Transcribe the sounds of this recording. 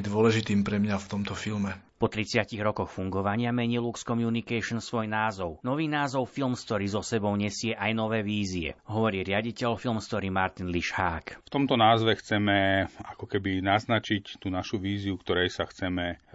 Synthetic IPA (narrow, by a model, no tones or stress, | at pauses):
d̪ʊɔlɛʒit̪iːmpɾɛmɲaft̪ɔmt̪ɔfilmɛ | pɔt̪ɾit͡sɪaciɣɾɔkɔxfuŋɡɔʋaɲɪamɛɲiːlukskɔmjunikɛʃnsʋɔjnaːzɔʊnɔʋiːnaːzɔʊfilmst̪ɔɾiːzɔsɛbɔʊɲɛsɪɛʔajnɔʋɛːʋiːziɛ̰ɦɔʋɔɾiːɾɪaɟicɛlfilˠmst̪ɔɾiːmaɾt̪inliʃhaːkft̪ɔmt̪ɔnaːzʋɛxt͡sɛmɛakɔkɛbinaznat͡ʃict̪uːnaʃuʋiːziukt̪ɔɾɛjsaxt͡sɛmɛ